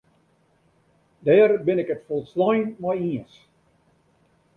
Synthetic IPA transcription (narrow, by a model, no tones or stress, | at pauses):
dɛːrbɪnɪkətfɔlˠslɔjnmajiəs